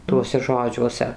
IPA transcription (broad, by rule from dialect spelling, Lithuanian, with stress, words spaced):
ˈtuɔsʲɛ ˈʒoːd͡ʒʲuɔsʲɛ